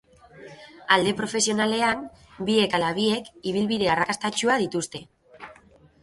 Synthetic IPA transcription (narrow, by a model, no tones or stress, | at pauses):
ald̪e̞pɾo̞fe̞sio̞nale̞am | bie̞kalaβ̞ie̞kiβ̞ilβiðe̞arakast̪at͡ʃuaðit̪ust̪e̞